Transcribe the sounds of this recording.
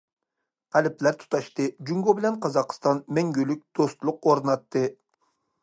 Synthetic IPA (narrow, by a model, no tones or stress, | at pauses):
ɛlɪplæɾt̪ʰu̥t̪ʰɑʃt̪ɨd͡ʒuŋɡobɪlɛnqʰɑzɑqst̪ɑnmɛŋɡʲylyk̚ʲd̪̥ost̪lˠʊqoɾɨnɑt̪ːɨ